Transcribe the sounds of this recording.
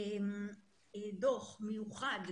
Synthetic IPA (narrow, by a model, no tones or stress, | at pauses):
d̪oχmejuχad̪